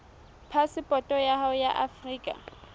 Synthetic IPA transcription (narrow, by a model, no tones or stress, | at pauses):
pʰasɪpʼɔtʼɔjaɦaʊjaʔafriːkʼa̰